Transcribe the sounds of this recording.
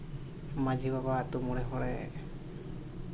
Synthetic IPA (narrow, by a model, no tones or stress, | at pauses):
mad͡ʒibabat̪umuɽɛɦɔɽɛ